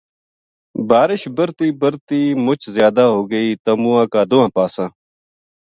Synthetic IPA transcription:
baːɾɪʃbəɾt̪iːbəɾt̪iːmʊt͡ʃzjaːd̪aːɦoːɡəiːt̪əmũːãːkaːd̪ʊːãːpaːsãː

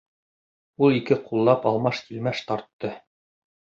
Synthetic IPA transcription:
ulˠikɘqʰulˠːɑpɑlˠmɑʃt̪ilmæʃt̪ɑɾt̪ːɤ

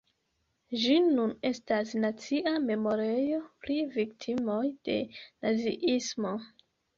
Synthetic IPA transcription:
d͡ʒinune̞stasnat͡siʔame̞mo̞ɾejo̞pɾiviktʰimo̞jd̥e̞nazḭʔismo̞

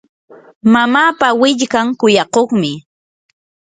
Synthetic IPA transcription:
mamaːpawɪʎkaŋkʊjɑqoχmɪ

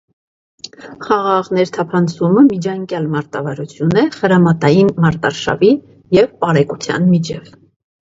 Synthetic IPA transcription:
χɑʁɑʁnɛɾt̪ʰɑpʰɑnt͡sʰuməmid͡ʒɑŋkjɑlmɑɾt̪ɑvɑɾut͡sʰjunɛχəɾɑmɑt̪ɑjinmɑɾt̪ɑɾʃɑ̰vi | jɛvpɑɾɛkut͡sʰjɑ̰nmit͡ʃʰɛv

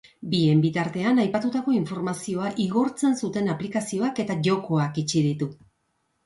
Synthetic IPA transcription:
bie̞mbit̪aɾt̪e̞anajpat̪ut̪ako̞iɱfo̞ɾmasio̞aʔiɣo̞ɾt͡se̞nsut̪e̞naplikasio̞ake̞t̪aʝo̞ko̞akit͡ʃiðit̪u

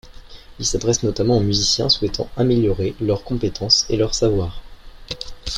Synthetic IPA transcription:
ilsad̪ʁɛsnɔt̪amɑ̃omyzisjɛ̰̃swɛt̪ʰɑ̰̃ameljɔʁelœʁkɔ̃pet̪ʰɑ̃selœʁsavwaːʁ

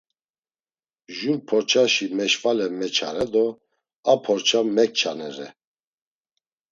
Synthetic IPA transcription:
ʒuɾpʰɔɾt͡ʃʰaʃimɛʃvalɛmɛt͡ʃʰaɾɛd̪ɔ | apʰɔɾt͡ʃʰamɛk̚t͡ʃʰanɛɾɛ

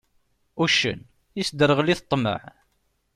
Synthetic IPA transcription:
uʃə̰n | jisd̪əɾˤəʁliθt̪ˤːmə̰ʕ

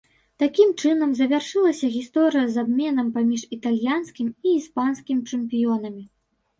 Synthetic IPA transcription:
t̪akʲimt͡ʂɨn̪ɐmzɐvʲarʂɨlˠɐsʲɐɣʲist̪ɔɾɨjɐzabmʲɛnɐmpamʲiʂit̪alʲjanskʲimiːspanskʲimʲit͡ʂɨmpʲijɔnɐmʲi

